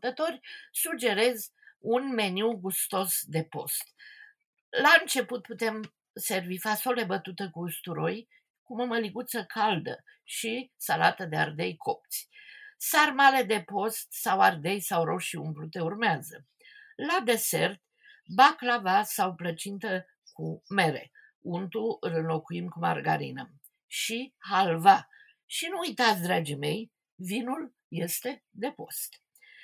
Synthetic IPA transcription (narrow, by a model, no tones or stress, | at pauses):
t̪ət̪o̞rʲsud͡ʒe̞ɾe̞z | unme̞niwɡust̪o̞sd̪e̞po̞̰st̪ | laɨnt͡ʃe̞put̪̚put̪e̞m | se̞rvifaso̞le̞bət̪ut̪əkust̪uɾo̞j | kuməməliɡut̪səkʰald̪ə̰ʃisala̰t̪əd̪e̞a̰rd̪e̞jkʰo̞p̚t̪sʲsarmale̞d̪e̞po̞st̪saward̪e̞jsawɾo̞ʃiumpɾut̪e̞urmeazə | lad̪e̞se̞rt̪ | baklavasawplət͡ʃint̪ə | kume̞ɾe̞̰ | unt̪uɨlɨnlo̞kuimkuma̰rɡaɾḭnə | ʃihalva | ʃinuujt̪at̪sʲd̪ɾad͡ʒime̞j | vinul | je̞st̪e̞d̪e̞po̞st̪